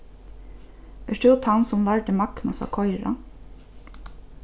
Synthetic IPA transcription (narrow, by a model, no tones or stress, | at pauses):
ɛʂt̪ʰut̪ʰansʊmlaɹʈɪmakna̰sa̰kʰɔjɾa̰